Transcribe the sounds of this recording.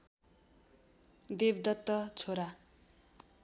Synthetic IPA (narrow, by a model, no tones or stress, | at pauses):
d̪ebd̪ʌt̪ːʌt͡sʰoɾa